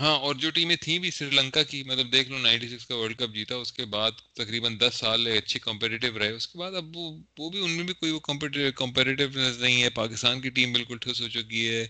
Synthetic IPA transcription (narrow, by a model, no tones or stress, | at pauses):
ɦãːɔːɾd͡ʒoːʈiːmẽt̪ʰĩbʱisɾiːlɐ̃ŋkakimɐt̪ləb̚d̪eːkʰloːnãɪ̃ɳʈis̬ɪkskaʋəːɾɖkɐp̚d͡ʒiːt̪aʊskebaːd̪t̪ɐkɾiːbənd̪ɐsːaːleɐtːʃʰekɐ̃mpɛːʈɪʈ̬ɪʋɾɐɦeʊskebaːd̪ɐbʋoʋobʱiʊnmẽbʱikoːiʋokɐ̃mpɛʈɪkɐ̃mpɛːʈeːʈ̬ɪʋnɛznɐɦĩɦɛpaːkɪst̪aːnkiʈiːmbɪlkʊlʈʰɪsɦot͡ʃʊkiɦɛː